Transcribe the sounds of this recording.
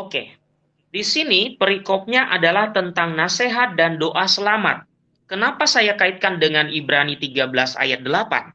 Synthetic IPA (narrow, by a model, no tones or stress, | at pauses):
okḛ | disinipəɾikɔp̚ɲaʔadalaht̪ənt̪aŋnaseɦat̪̚dandoʔasəlama̰t̪̚ | kənapasajakait̪̚kandəŋanibɾanit̪iɡabəlasa̰jat̪̚dəlapa̰n